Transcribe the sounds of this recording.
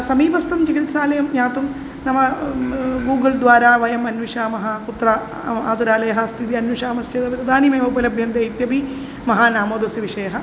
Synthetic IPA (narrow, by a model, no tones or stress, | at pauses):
sɐmiːpɐst̪ɐmt͡ʃɐkit̪ʃaːlɐjɐmɲaːt̪um | nɐmɐ | ɡuːɡɐld̪ʋaːɾaːʋɐjɐmɐnʋiʂaːmɐɦɐkut̪ːɾaː | a̰ːt̪uɾaːlɐjɐɦɐst̪ʰit̪̬iɐnʋiʂaːmɐst͡ʃeːd̪ɐʋit̪ɐd̪ʱaːnimeːmɐupɐlɐbʱjɐnd̪jɐjit̪jɐpi | mɐɦaːnaːmoːd̪ɐsɐʋiʂɐjɐɦɐ